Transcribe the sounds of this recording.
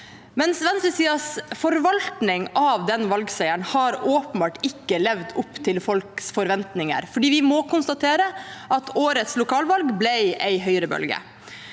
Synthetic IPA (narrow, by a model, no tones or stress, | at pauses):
mɛnsʋɛnsəsiːɑsfɔɾʋɑlt̪nɪŋɑʋd̪ɛnʋɑlɡsæɪəɳhɑɾoːpən̩bɑːʈɪkːəlɛʋd̪ʊpːt̪ʰɪlfɔlksfɔɾʋɛnt̪nɪŋə̰ɾfɔɖiːʋɪmɔkʊnst̪ɑt̪ʰeːɾəʔɑt̪ʰoːɾət̪slʊkʰɑːlʋɑlɡblɛɪɛɪɦœʏɾəbœ̰lɡə̰